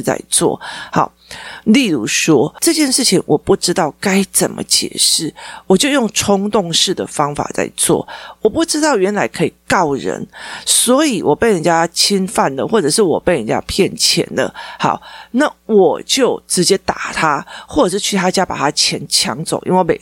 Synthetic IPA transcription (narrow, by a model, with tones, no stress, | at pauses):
t͡sa̰˥˧ɪt͡swɔ̰˥˩ha˧˩˦ʊli˥˧lu˧˩ʂwɔ˥ʈ͡ʂɤ˥˧t͡ɕjɛ˥˧nʂɻ̩˥˩t͡ɕʰi˨ŋwʔɔ˨˩pu˥˩ʈ͡ʂɻ̩˥t̪ɑ˥˩ʊka˥ɪt͡sə˨˩nmʔə̰˦t͡ɕjɛ̰˨˩ʂɻ̩˥˩wɔ˨˩t͡ɕjo˥˧ʊjʊ˥˩ŋʈ͡ʂʰʊ˥ŋt̪ʊ˥˧ŋʂɻ̩˥˩d̪ə̰˩fɑ˦ŋfa̰˨˩t͡sa̰˥˧ɪt͡swɔ̰˥˩wɔ˨˩pu˥˩ʈ͡ʂɻ̩˥t̪ɑ˥˩ʊɥɛ˧˦˥nla˧˥ɪkʰɤ˧˥i˨˩kɑ˥˩ʊɻə̰˧˥nswɔ˧˥i˨˩wʔɔ˨˩pe˥˩ɪɻə˧˦nt͡ɕja˦t͡ɕʰi˦˥nfa˥˨˩nd̪ə˩xwɔ˥˩ʈ͡ʂɤ˨˩ʂɻ̩˥˩wɔ̰˨˩pe˥˩ɪɻə˧˦nt͡ɕja̰˦˥pʰjɛ˥˨nt͡ɕʰjɛ̰˧˥nd̪ə̰˨hɑ̰˧˩ʊna˥˨˩wɔ˨˩t͡ɕjo˥˩ʊʈ͡ʂɻ̩˧˥t͡ɕjɛ˥t̪a˨˩t̪ʰa˦˥xwɔ˥˩˨ʂ̩ɻ̩˥˩t͡ɕʰy˥˩t̪ʰa˥t͡ɕja˦˥pa̰˨˩t̪ʰa˥t͡ɕʰjɛ˧˥nt͡ɕʰjɑ̰˧˦ŋt͡so̰˨˦ʊi˥nwe˥˩ɪmḛ˨